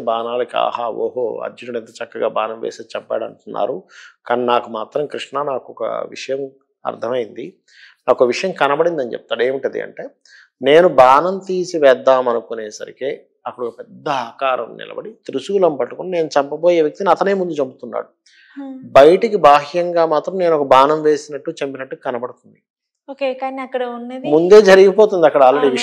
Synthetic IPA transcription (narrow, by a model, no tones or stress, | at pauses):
baːnaːlika̰ːhaːo̰ːɦoːɐ̰unɐɽent̪ɐt͡ʃɐkːɐɡaːbaːnɐmʋḛːseːt͡ʃɛpːa̰ːɽɐ̰ɳʈunːa̰ːɾukaːninaːkumaːt̪ɾɐmkɾiʂnanaːkuɔkɐ̰ʋḭʂɐjɐm | ɐ̰ɾd̪ʰʱɐmɐjind̪i | naːkɔɐʋiʂɐjɐmkɐnɐbɐɽind̪ɐnit͡ʃɛ̰p̚t̪aːɽeːmiʈd̪ḭɐ̰ɳʈe̞ː | ne̞ːnubaːnɐmt̪iːsiʋɛːd̪ːaːmɐnukune̞ːsɐ̰ɾḭkeː | ɐkːɐɽupɛd̪ːɐaːkaːɾɐ̰mnḭlɐ̰bɐɽit̪ɾusuɡulɐmpɐʈːukunine̞ːnut͡ʃɐmpɐboːje̞ːʋjɐk̚t̪iniɐt̪ɐne̞ːmund̪ut͡ʃɐbut̪unːa̰ːɽu | bɐjɐʈikibʱaːɦjɐŋɡaːmaːt̪ɾɐmneːnuɔkɐbaːnɐmʋe̞ːsinɐʈːut͡ʃempinɐʈːukːkɐnɐbɐɽut̪und̪i | oːkeːkaːniɐkːɐɽɐunːemund̪e̞ːd͡ʒɐɾiɡipoːt̪und̪iɐkːɐɽɐaːlɾeɽiːʋi